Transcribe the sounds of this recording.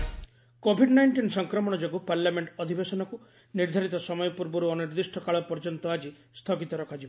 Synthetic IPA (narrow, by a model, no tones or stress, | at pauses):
kobʱiɖnajɳʈinsɔŋkɾɔmɔɽ̃ɔd͡ʒoɡupaɾlameɳʈɔd̪ʱibesɔnɔku | niɾd̪ʱaɾit̪ɔsɔmɔjɔpuɾbɔɾuɔniɾd̪isʈʰɔkaɭɔpɔɾd͡ʒɔnt̪ɔad͡ʒi | st̪ʰɔɡit̪ɔɾɔkʰad͡ʒib